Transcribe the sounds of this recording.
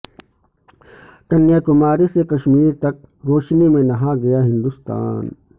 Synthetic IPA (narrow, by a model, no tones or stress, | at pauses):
t̪ɐnːjakʊmaːɾisekɐʃmiːɾt̪ɐk̚ɾoːʃnimẽnɐɦaɡɐjaɦɪ̃nd̪ʊst̪a̰ːn